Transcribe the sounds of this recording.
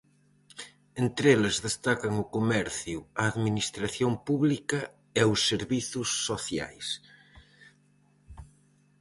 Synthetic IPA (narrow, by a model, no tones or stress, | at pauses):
ent̪ɾelɪzðest̪akɐŋʊkomɛɾθjʊɐːðminist̪ɾaθjompuβlikɐ | ɛʊsːeɾβiθʊsːoθja̰js